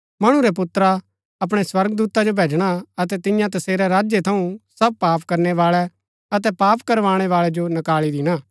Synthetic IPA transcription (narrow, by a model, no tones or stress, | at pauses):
mɐɽ̃ũɾɛp̬ʊt̪ɾa | ɐp̬ɽ̃ɛswɐɾɡd̪uːt̪ad͡ʒobʱeːd͡ʒɽ̃aɐt̪ɛt̪ɪ̃jãt̪ɐseːɾɛɾaːd͡ʒjet̪ʰɐũsɐb̚paːpkɐɾnɛʋaːɭɛ | ɐt̪ɛpaːpkɐɾʋaːɽ̃ɛʋaːɭɛd͡ʒonɐkaːɭid̪ɪnaː